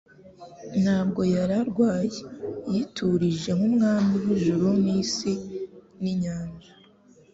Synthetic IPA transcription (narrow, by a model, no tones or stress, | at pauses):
n̥haːb̚ɡo̞jaɾaɾɡwaːjejitʰuɾiʒe̞ŋumŋaːmiwuʒuɾunisiniɲaːɲʒa